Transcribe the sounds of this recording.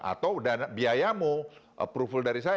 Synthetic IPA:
a̰t̪awdanabiajamuʔpɾufildaɾisa

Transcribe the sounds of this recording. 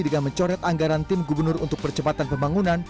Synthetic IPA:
idəɡaməɲt͡ʃɔɾɛt̪aŋɡaɾant̪ɪmɡubərnʊrṵnt̪ʊk̚pərt͡ʃəpat̪anpəmbaŋunan

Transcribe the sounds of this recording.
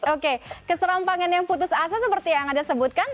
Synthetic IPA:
okekəsəɾampaŋanjaŋput̪ʊsas̬asəpərt̪ijaŋadasəbʊt̪̚kan

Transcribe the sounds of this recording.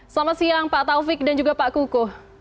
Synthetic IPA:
samasiaŋpaʔt̪aufɪk̚dand͡ʒuɡapaʔkukʊh

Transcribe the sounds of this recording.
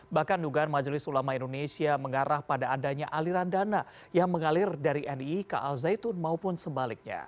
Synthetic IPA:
bahkanduɡaanmad͡ʒlɪsulamaindonesiaməŋaɾahpadaːdaɲaʔaliɾandana | jaŋməŋalɪrdaɾiʔɛnikaʔalzajt̪ʊnmaupʊnsəbalɪk̚ɲa̰

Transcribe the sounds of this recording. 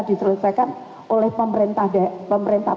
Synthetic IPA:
disərləsakan | ʔolɛhpəməɾint̪ahdapəməɾint̪ah

